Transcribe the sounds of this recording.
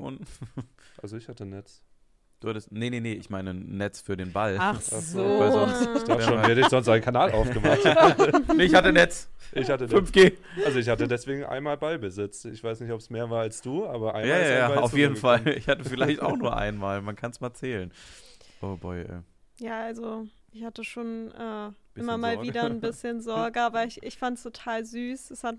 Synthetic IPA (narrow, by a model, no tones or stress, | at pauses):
ʔʊ̰nt | a̰lzoɪçhatənɛt͡s | d̥uːhatəstnəneneʔɪçmaɪnənːɛt͡sfyːɐdeːnbalaazoaçd̥aːʃoːnidɪz̥ɔnstʔaɪnkʰanaːlʔaʊfɡəmaχtneɪçhatənɛt͡sʔɪçatəfʏnfɡ̥eː | alzoɪçhatədɛsv̥eːɡŋ̩ʔa̰ɪnmaːlbaɪbəzɪt͡stɪçv̥aɪsnɪçtɔpsmeːɐvaːɐalsd̥uːʔaːbɐʔa̰ɪjaːjaaːaʊfjeːdn̩falɪçhatəfɪlaɪçta̰ʊxnuːɐʔa̰ɪnmaːlmankʰansmaːlt͡sɛːlənʔoːbɔɪʔɛ̰ | jaːʔalzo | ʔɪçhatəʃoːnʔɛ̥ː | ɪmɐmaːlviːdɐn̩bɪsçənzɔɐɡəaːbɐɪçɪçfantstʰotʰaːlzyːsɛshat̚